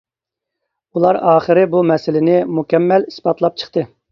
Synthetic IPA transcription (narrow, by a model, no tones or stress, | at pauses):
ulˠɑɾɑːχəɾɪbumɛsɪlɪnɪmukʲɛmːɛlispɑt̪lˠɑp̚t͡ʃʰə̥χt̪ɨ